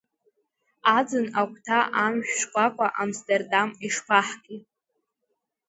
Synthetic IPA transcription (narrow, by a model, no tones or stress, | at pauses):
ad͡zɨnakʷʰtʰaʔamʒᶣʂkʷʼakʷʼaʔamstʰʼerdamiʂpʰaħkʼitʼ